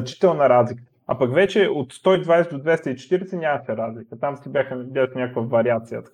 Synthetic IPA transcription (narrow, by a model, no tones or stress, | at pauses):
t͡ʃi̥t̪ɛlˠnɐɾazlikə̥ | apɐkvɛt͡ʃɛot̪st̪ɔid̪vajsɛd̪od̪vɛst̪əit͡ʃɛ̥t̪iɾɛsɛnʲaməsɛɾazlikət̪amsibʲjaxəbʲasnʲakokvəvɐɾiat̪sijə̰t̪ə̥